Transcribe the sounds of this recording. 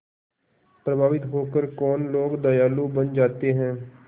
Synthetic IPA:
pɾəbʱaːʋɪt̪ɦoːkəɾkɔːnloːɡd̪əjaːluːbənd͡ʒaːt̪eːɦɛ̃ː

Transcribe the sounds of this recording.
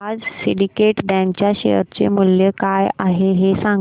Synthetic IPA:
ad͡zsiɽikeʈɖɛ̃mt͡ɕjaɕḛjə̰ɾt͡sḛmuljəkajaɦeɦesãŋɡ

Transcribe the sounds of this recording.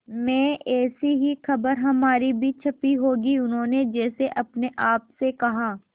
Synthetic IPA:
mɛ̃ːɛːsiɦixɐbəɾɦɐmaːɾibʱiːt͡ʃʰɐpiɦoːɡiʊnɦõːned͡ʒɛːseʔɐpneʔaːpsekɐɦaː

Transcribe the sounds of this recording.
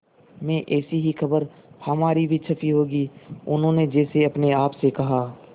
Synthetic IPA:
mɛ̃ːʔɛːsiɦixɐbəɾ | hɐmaːɾibʱit͡ʃʰɐfiɦoːɡiːʊnɦõned͡ʒɛːseɐpneaːpsekɐɦaː

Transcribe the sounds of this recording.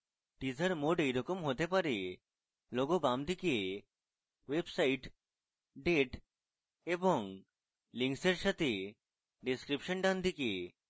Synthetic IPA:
ʈid͡ʑaɾmoɖejɾɔkomɦot̪epaɾe | loɡobamd̪ʱike | websaiʈ | ɖeʈ | eboŋ | liŋkseɾʃat̪ʰe | ɖiskɾipʃɔnɖand̪ʱike

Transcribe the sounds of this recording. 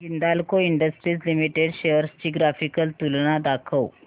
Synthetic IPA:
ɡind̪alkoiɳɖəsʈɾiːslimiʈeɖɕejəɾst͡ɕiːɡɾafikəlt̪ulnad̪akʰəw

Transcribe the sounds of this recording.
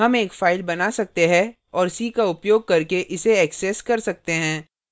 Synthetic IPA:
ɦɐmeːkfaːɪlbɐnasɐk̚t̪eɦɛ̃ | ɔːɾsikaʊpjoːɡ̚kɐɾkeʔɪseɛːksɛskɐɾsɐk̚t̪eɦɛ̃ː

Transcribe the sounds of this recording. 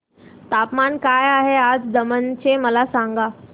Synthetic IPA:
t̪aːpmankaːjaːɦeaːd͡zd̪əmənt͡ɕʰemɐlasãŋɡaː

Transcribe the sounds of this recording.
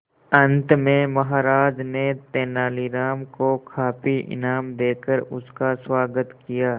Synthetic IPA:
ɐ̃nt̪mẽmɐɦaːɾaːd͡ʒnet̪eːnaːliɾaːmkokʰaːpiʔɪ̰naːmd̪eːkəɾʊ̰skaswaːɡət̪kijaː

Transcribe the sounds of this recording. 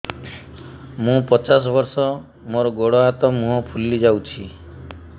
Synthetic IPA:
mũpɔt͡ʃas̬ɔbɔɾsɔ | moɾɔɡoɽɔɦat̪ɔmũɦɔpʰulːid͡ʒawt͡ʃʰi

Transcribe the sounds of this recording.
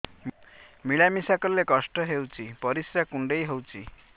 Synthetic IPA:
mmiɭamisakɔɾlekɔsʈɔɦewt͡ʃʰipɔɾisɾakuɳɖejɦewt͡ʃʰi

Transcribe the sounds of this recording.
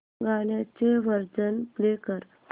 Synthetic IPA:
ɡaɳjat͡seʋəɾd͡zənplekəɾ

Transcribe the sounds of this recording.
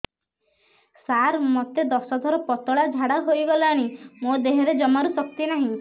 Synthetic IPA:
saɾmɔt̪ed̪ɔsɔt̪ʰɔɾɔpɔt̪ɔɭad͡ʒʱaɽaɦojbɔlaɽ̃imod̪eɦɔɾed͡ʒɔmaɾusɔkt̪inaɦĩ

